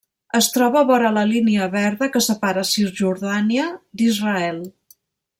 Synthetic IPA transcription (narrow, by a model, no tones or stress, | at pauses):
əst̪ɾɔβəβɔɾələliniəβɛɾðəkəsəpaɾəsiɾʒuɾðaniəd̪izrəɛlˠ